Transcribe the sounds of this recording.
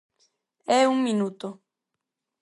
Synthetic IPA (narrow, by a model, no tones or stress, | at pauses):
euŋminut̪o